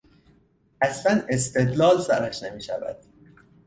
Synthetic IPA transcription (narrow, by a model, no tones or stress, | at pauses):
ʔæslæne̞s̬t̪e̞d̪lɒːlsæɾæʃnemiːʃævæ̰d̪̥